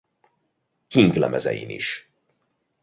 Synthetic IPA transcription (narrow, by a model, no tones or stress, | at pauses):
kiŋɡlɛmʔɛzɛjḭːnḭʃ